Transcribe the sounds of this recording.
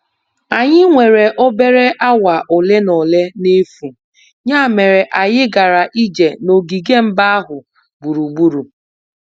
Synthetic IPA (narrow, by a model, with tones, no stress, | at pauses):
a˨ɲɪ˦ŋʷe˨ɾe˨ʔo˦be˦ɾe˦ʔa˦wa˨ʔʊ˨le˦nɔ˨le˦ne˦fu˨ | ɲa˦˨me˨ɾe˨ʔa˨jɪ˦ɡa˨ɾa˨ʔi˦d͡ʒe˨no˨ɡi˨ɡe˦m̩˦ba˦a˦ɦʊ˨ | bu˨ɾu˨ɡ͡bu˦ɾu˨